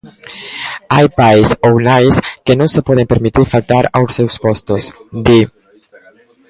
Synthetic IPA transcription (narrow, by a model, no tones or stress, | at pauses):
ajpajsownajskenõŋsepɔð̞empeɾmit̪iɾfalt̪aɾawsewspɔst̪osd̪i